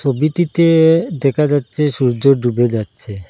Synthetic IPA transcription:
t͡ɕʰobiʈit̪ed̪ɛkʰad͡ʑatːɕʰeʃuɾd͡ʑoɖubed͡ʑatːɕʰe

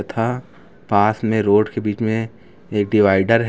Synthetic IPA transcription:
t̪ʰa | paːsmẽɾoːɖkebiːt͡ʃmẽ | eːk̚ɖɪʋaːɪɖəɾɦ

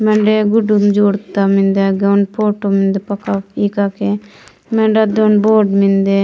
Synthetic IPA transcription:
mɛ̃ɳɖeɡuɖumd͡ʒoːɽt̪amĩnd̪aɡawnpʰoːʈomĩnd̪epɐkaikake | mɛ̃ɳɖad̪onboːɖmind̪e

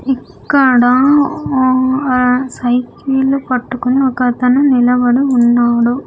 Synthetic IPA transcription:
ɪkːɐɽãː | sɐɪkilpɐʈːɯkːɯnɐkːɐt̪ːɐnɐnɪlɐʋɐɽɯʊnːaːɽɯ

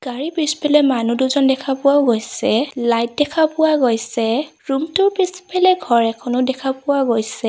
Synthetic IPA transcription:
ɡ̥aɹipispɛlɛmanuduzɔndɛkʰapʊwaʊɡojsɛlajt̚dɛkʰapʊwaɡojsɛ | ɹumtʊɹpisipʰɛlɛɡʱɔɹɛkʰɔnʊdɛkʰapʊwaɡojsɛ

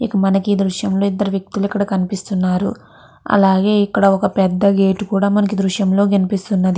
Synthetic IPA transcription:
ikɐmɐnɐkid̪ɾuʃjɐmlo̞ːid̪ːɐɾuʋjɐk̚t̪uluikːɐɽɐkɐnipist̪unːaːɾṵ | ɐ̰laːɡe̞ːikːɐɽɐɔkɐpɛd̪ːɐɡeːʈukuːɽaːmɐnɐkid̪ɾuʂjɐmlo̞ːɡɐnipist̪unːɐd̪i

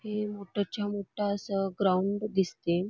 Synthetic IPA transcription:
hemoʈəɾt͡ɕjamoʈʰaəsəɡɾauɳɖd̪ist̪e

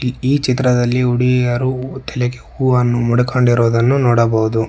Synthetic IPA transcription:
iːt͡ʃit̪ɾɐd̪ɐlːiuɽijɐɾut̪ʰɛlekeuːɐnːumuɽukʰoɳɖiɾoːd̪ɐnːunɔːɽɐbowud̪u

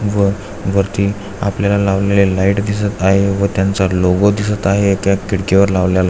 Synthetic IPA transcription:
ʋə | ʋəɾt̪iː | a̰pljalalaʋlelelaiːʈd̪isət̪aɦeʋət̪jant͡saloɡod̪isət̪aɦekjakiɽkeʋəɾlaʋljala

